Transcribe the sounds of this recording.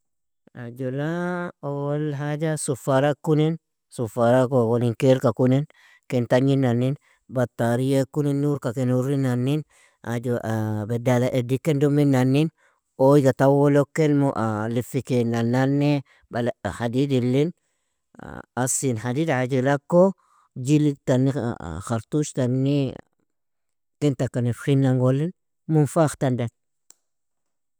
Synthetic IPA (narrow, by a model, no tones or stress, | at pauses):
ad͡ʒulaowwolɦad͡ʒasufaɾakːunin | sufaɾakowoliŋkeɾkakunin | kɛnt̪aɲinːanːin | bat̪ːaɾijakːuninːuɾkakenuɾinːanːin | a̰d͡ʒoʔbedalaʔedikːendumːinːanːin | ojɡatawolokːenmuʔalifikenanːanːe | balahadidilːin̰ | asinhadidad͡ʒilakːo | d͡ʒiliktanːḭxaɾtuʃtanːi | tintakːanefxinːaŋɡolːin | munfaxtandan